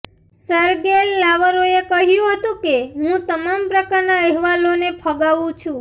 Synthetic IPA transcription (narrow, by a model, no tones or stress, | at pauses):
səɾɡelːaʋəɾoekəɦjũɦət̪ũkeɦũt̪əmampɾəkaɾnaɛɦʋalonepʰəɡaʋũt͡ʃʰũ